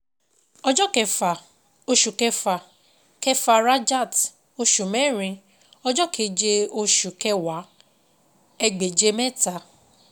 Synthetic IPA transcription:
ɔ˦d͡ʒɔ˦kɛ˨a˨ | o˦ʃu˨kɛ˦fa˨ | kɛ˦fa˨ɾa˦d͡ʒa˦˨t | o˦ʃu˨me˦ɾĩ˧ | ɔ˦d͡ʒɔ˦kʰe˨d͡ʒe˦o˦ʃu˨kɛ˦wa˨˦ | e˦ɡ͡be˨d͡ʒe˦mɛ˦ta˨

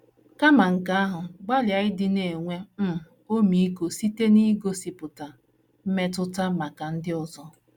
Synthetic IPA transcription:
ka˦ma˨ŋ̩˨ka˦a˦ɦʊ˨ɡ͡ba˦lja˨ɪ˦dɪ˦ne˨ŋʷe˦m̩˦ | o˦mi˨i˦ko˨si˦te˦ni˦ɡo˦si˨pʊ˨ta˨ | m̩˦me˦tʊ˦ta˦ma˨ka˨n̩˦dɪ˦ɔ˦zɔ˦

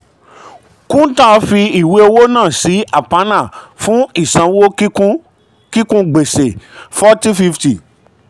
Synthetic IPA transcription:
kũ˦tã˦˨fi˧i˨we˨˦o˧wo˦nãː˦˨si˨˦ʔa˦˨pa˨˦nã˦˨fũ˨˦i˦˨sã˨˧˦wo˦u˦ | ki˦kũ˦ɡ͡be˨se˨fɔ˦ti˦fi˦fti˨

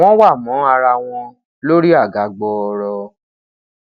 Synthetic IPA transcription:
w̃ɔ̃˦wa˦˨mɔ̃˨˦a˧ɾa˧w̃ɔ̃˧ | lo˦ɾi˦a˦˨ɡa˨˦ɡ͡bɔ˧ɔ˧ɾɔ˧

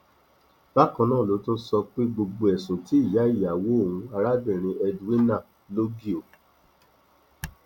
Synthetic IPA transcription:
ba˦˨kã˧nãː˦˨lo˨˦tũ˦n̩˦sɔ˧k͡pe˦ɡ͡bo˧ɡ͡bo˧ɛ˨sũ˨ti˨˦i˦˨ja˨˦i˦˨ja˨wo˦o˦˨wũ˧a˧ɾa˦bĩ˦˨ɾ̃ĩ˧ɛ˧du˦i˦nã˦˨ | lo˦ɡi˦o˨

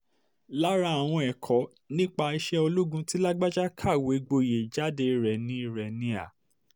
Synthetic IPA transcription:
la˦ɾa˦a˨w̃ɔ̃˧ɛ˨kʰɔ˨˦ | nĩ˦k͡pa˧i˧ʃɛ˦o˧lu˦ɡũ˧˦ti˦la˦ɡ͡ba˦d͡ʒa˦kʰa˦˨we˨˦ɡ͡bo˧˨je˨d͡ʒa˦de˧i˧ɾɛ˨nĩ˧˦i˧ɾe˨nĩ˧a̰˨

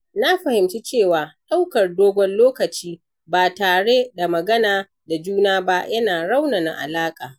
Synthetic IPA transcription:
na˦ɸɐ˨hɪ˨mt͡ʃi˦t͡ʃeː˦˨waː˨ɗa˦wkɐ˨rdoː˦ɡʷɔ˦nloː˦kɐ˨t͡ʃiː˦ | baː˨taː˨ɽe˦da˨mɐ˨ɡɐ˦naː˨ | da˨d͡ʒuː˦naː˦ba˦jɐ˦naː˨ɽa˦wna˨na̰˨ʔa̰˨laː˦kʼaː˨

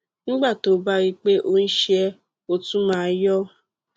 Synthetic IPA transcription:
ñ̩˦ɡ͡ba˦˨to˨˦ba˦ɾi˧k͡pe˦ʔo˦n̩˦ʃɛ˦ | o˧tũ˦mãː˦jɔ˦

